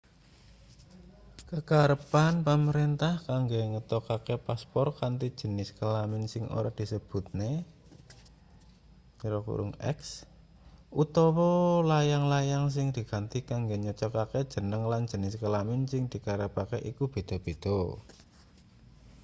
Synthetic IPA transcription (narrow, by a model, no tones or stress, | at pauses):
kəkaɾəpanpəməɾint̪ahkaŋɡeŋət̪ɔkakepaspɔrkant̪id̥ʒ̥ə̤nɪskəlamɪnsɪŋo̰ɾad̪̥i̤səb̥ṳt̪̚ne | iɾɔkṵɾʊ̰ŋɛ̰ks | ut̪ɔwɔlajaŋlajaŋs̬ɪŋd̪̥i̤ɡ̥a̤nt̪ikaŋɡeɲɔt͡ʃɔkaked̥ʒ̥ə̤nəŋland̥d͡ʒ̥ə̤nɪskəlamɪnsɪŋd̪̥i̤kaɾəpakeʔikub̥e̤d̪̥ɔ̤b̥e̤d̪̥ɔ